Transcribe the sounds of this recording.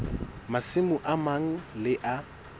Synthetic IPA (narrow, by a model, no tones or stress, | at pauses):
masɪmʊʔamaŋ̩lɪʔa